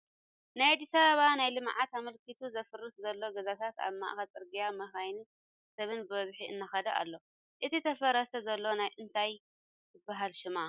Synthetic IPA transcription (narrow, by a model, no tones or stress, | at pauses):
najad̪isɐɾɐβanajlɨmʕat̪amɐlkʰit̪ʰuzɐfɨrːɨszɐlːo̞ɡɐzat̪ʰat̪a̰βma̰ʔxɐt͡sʼɨɾɡijamɐxajni | sɐβɨnbɨβɐzħiɨ̰nːaxɐd̪ɐʔa̰lːo̞ | ʔɨt̪ʰit̪ʰɐfɐɾɐsɐzɐlːo̞najʔɨnt̪ʰaj | zɨbːaɦalʃɪma